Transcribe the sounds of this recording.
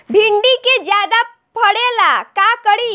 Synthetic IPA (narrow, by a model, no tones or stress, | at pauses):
bʱiɳɖiked͡ʒjad̪a | pʰəɽelakakəɽi